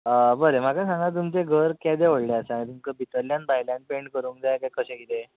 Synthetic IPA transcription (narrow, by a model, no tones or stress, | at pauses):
əbəɾem̤akasãŋɡat̪̬umt͡seɡʱəɾkjad̪eʋoɽleasaaɽ̃it̪umkəbʱit̪əɾljanbajljãn̚peɳɖkəɾuːnkd͡zajkajkəɕẽɡit̪e